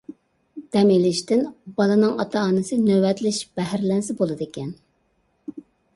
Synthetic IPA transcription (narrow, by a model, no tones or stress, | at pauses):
d̪̥ɛmelɪʃt̪ɪnb̥ɑlˠɨnɨŋɑ̰t̪ʰɑːnɨsɨnøwɛt̪lɪʃb̥ɛɦɾlɛnsɪbolˠɨd̪ɪkʲɛn